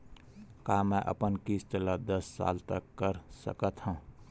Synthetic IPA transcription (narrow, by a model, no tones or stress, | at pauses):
kamɛ̃ʔə̰pənkist͡ʃələd̪əsːa̰lt̪əkːəɾsə̰kət̪ɦũ